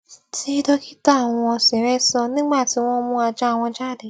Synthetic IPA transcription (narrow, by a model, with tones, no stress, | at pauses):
ti˧˦i˦dɔ˧ki˦ta˦˨w̃ɔ̃˧se˨˦wɛ˦sɔ˧nĩ˦ɡ͡ba˦˨ti˧wɔ̃˧mũ˧a˧d͡ʒa˧˨w̃ɔ̃˧d͡ʒa˦˨de˨˦